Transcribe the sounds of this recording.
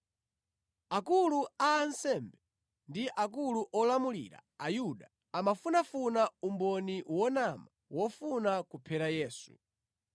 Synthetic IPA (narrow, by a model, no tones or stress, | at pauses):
akuluaːnsɛmbɛ | ndiʔak̬uluʔɔlamulḭɾa̰ajuɗa | amafunafunaumbɔniwɔnama | wɔfunakupʰɛɾajɛːsu̥̰